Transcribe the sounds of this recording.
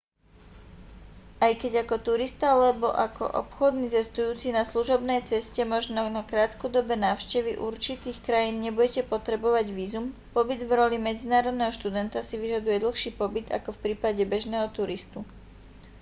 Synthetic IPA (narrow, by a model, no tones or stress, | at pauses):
ʔajkɛɟakɔt̪uɾist̪aalɛbɔʔakɔ̰ʔɔ̰pxɔd̪nit͡sɛst̪ujuːt͡sinasluʒɔbnɛjt͡sɛscɛmɔʒnɔnakɾaːt̪kɔd̪ɔbɛnaːʊʃcɛʋiʔuɾt͡ʃit̪iːxkɾajiːnɲɛbuɟɛcɛpɔt̪ɾɛbɔʋaɟʋiːzumpɔbid̪vɾɔlimɛd͡zinaːɾɔd̪nɛɦɔʃt̪ud̪ɛnt̪asiʋiʒad̪ujɛd̪l̩ˠxʃiːpɔbid̪a̰kɔfpɾiːpaɟɛbɛʒnɛːɦɔt̪uɾist̪u